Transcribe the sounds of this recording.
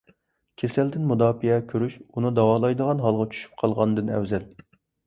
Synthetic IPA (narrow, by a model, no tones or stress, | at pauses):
kʲʰesɛld̪ɪnmud̪ɑːpiɛkʲʰøɾyʃunɨd̪ɑwɑːlˠɑjd̪əʁɑnɦɑlˠʁɑt͡ʃʰy̥ʃy̥p̚qʰɑlˠʁɑnd̪ɨnɛ̰wzɛl